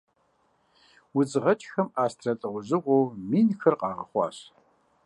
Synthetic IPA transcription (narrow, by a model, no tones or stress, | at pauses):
wʊd͡zɨʁɐt͡ʃʼxɐmaːstʰrɐtʼɨʁʷʊʑɨqʷowmiːnxʰɐrqʼɑːʁɐχʷɑ̰ːɕ